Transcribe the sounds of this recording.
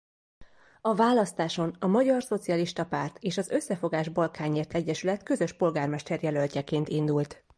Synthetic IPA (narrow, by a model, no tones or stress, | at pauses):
ɒvaːlːɒst̪aːʃo̞nɒmɒɟɒrso̞t̪sijɒliʃt̪ɒpaːrt̪eːʃɒzø̞sːɛfo̞ɡaːʒbɒlkaːɲːeːrt̪ʰɛɟːɛʃylɛt̪kø̞zø̞ʃpo̞lɡaːrmɛʃt̪ɛrjɛlø̞lcɛkeːnt̪ind̪ult̪